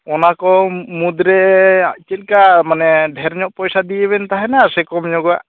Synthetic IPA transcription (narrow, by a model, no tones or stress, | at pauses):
ɔnakɔmud̪ɾɛt͡ʃilkamanɛɖʱɛɾɲɔʔpɔjsad̪ijeβɛnt̪aɦɛnaɾsɛkɔmɲɔɡa̰ʔ